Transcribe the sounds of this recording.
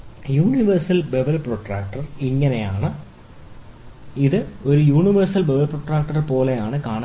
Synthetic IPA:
juːniʋɐrsɐlbeʋɐlproʈraːk̚ʈɐriŋːɐnejaːɳɨ | iðɨo̞ɾujuːɳiʋɐrsɐlbeʋɐlproʈraːk̚ʈɐrpo̞ːle̞jaːɳɨkaːɳɐ

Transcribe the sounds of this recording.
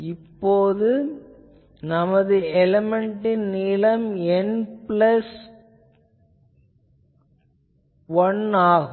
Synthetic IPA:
ɪpːoːðɯ | nɐmɐðɯɛlɛmɛɳʈɪnnɪlɐmɛnplɐs | ʋɐnaːɣ

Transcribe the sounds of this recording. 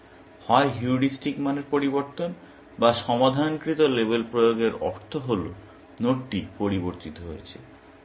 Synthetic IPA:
hɔeɦuɽisʈikmaneɾpoɾiboɾt̪on | baʃɔmad̪ʱankɾit̪olebelpɾojoɡeɾɔ̰ɾt̪ʰoɦolo̰ | noʈːipoɾiboɾt̪it̪oɦo̰jet͡ɕʰḛ

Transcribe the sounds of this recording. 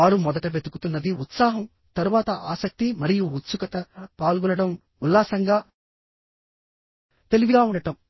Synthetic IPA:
aːɾumɔd̪ɐʈɐʋe̞d̪ukut̪unːɐd̪iut̪saːɦɐm | t̪ɐɾuʋaːt̪ɐʔaːsɐk̚t̪imɐɾijuut̪sukɐt̪ɐpaːlɡunɐɽɐm | ulːaːsɐŋɡaː | t̪e̞liʋiɡaːuɳɖɐʈɐm

